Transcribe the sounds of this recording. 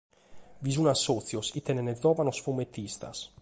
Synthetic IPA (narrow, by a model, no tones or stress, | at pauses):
vizunasːɔt̪sjosit̪ːɛnɛnɛzɔːvanosfumet̪ːist̪a̰s